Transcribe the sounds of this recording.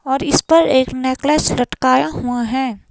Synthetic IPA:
ɔːɾɪspɐɾeːkneːklɛːslɐʈkaːjaɦuaɦɛː

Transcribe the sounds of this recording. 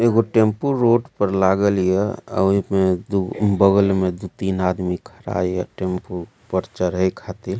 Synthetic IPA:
eɡoʈempuɾoɖpəɾlaɡəlijeə̰ɦimed̪ubəɡəlmed̪ut̪inad̪mikʰəɾa̰jə̰ʈempu | pəɾt͡ʃəɾɦəjkʰat̪il

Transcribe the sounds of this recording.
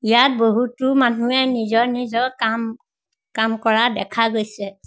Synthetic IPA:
ijat̚boɦutʊmanuɛnizɔɹnizɔɹkam | kamkɔɹadɛkʰaɡojsɛ

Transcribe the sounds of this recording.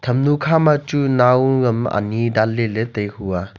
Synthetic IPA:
tʰɐmnukʰamat͡ʃunawɡɐma̰nidalːeletɐjhuwa

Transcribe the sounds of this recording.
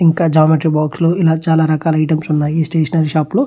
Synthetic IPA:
iŋkaːd͡ʒɐːmɐʈɾibaːksloːilaːt͡ʃaːlaːɾɐkaːlɐɐjʈɐmsunːaːjisʈeːʃɐnɐɾiʃaːploː

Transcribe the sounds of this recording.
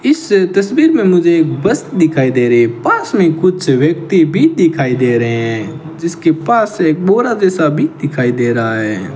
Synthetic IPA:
ɪst̪ɐsbiːɾmẽmʊd͡ʒʱeːk̚bɐst̪d̪ɪkʰaːid̪eːɾeɛpaːsmẽkʊdt͡ʃwjək̚t̪ibʱid̪ɪkʰaːid̪eːɾəɦɛ̃ɛ̃ | d͡ʒɪskepaːseːk̚boːɾad͡ʒɛːsabʱid̪ɪkʰaːid̪eːɾaaɦɛː

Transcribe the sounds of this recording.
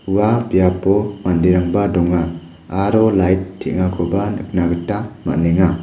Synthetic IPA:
wabijapɔmandiɾaŋbadɔŋaː | ɾɔlajtʰːiʔŋakʰubanɯk̚naɡɯtːama̰neŋa

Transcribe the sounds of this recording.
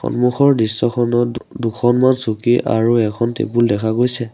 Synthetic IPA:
xɔ̰nmuxʰɔɹdɹisːɔxʰɔnɔdukʰɔnmansukiʔʔa̰ɹuɛkʰɔntḛbuldɛkʰaɡojsɛ

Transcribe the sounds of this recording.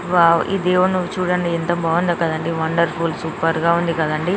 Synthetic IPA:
ʋaːḭd̪eːʋɐnuʋːut͡ʃuːɽɐɳɖiɛnt̪ɐbɐːʋund̪ɐkɐd̪ɐɳɖiʋɐɳɖɐɾpʰulsuːpɐɾɡaːund̪ikɐd̪ɐɳɖi

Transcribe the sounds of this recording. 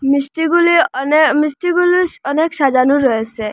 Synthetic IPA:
misʈiɡulinmisʈiɡulusɔneksad͡ʒanuɾɔese

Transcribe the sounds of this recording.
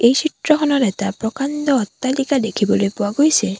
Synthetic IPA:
ejsʰitɹɔxʰɔnɔtɛtapɹɔkandɔːtːalikadekʰibɔlojpʊwaɡojsɛ

